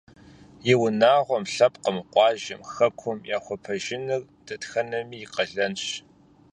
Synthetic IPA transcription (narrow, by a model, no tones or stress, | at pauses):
jɪwʊnaːʁʷɔmɬɐpqəmɨqʷɑːʒɪ̰mxɐkʷʰɔmjaːxʷɔpʰɐʒɪnɨr | d̥ɐtxɐnɐmiːjːqɐɮɐnɕ